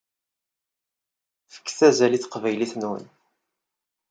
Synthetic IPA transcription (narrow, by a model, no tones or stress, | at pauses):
fə̥kːθæzæliθqvæjliθnwə̰n